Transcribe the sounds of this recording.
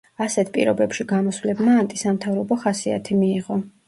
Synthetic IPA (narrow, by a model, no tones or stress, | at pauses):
asɛt̪ʰpʼḭɾɔbɛpʃiɡamɔsvlɛbmaːnt̪ʼisamt̪ʰavɾɔbɔχasia̰t̪ʰimiːʁɔ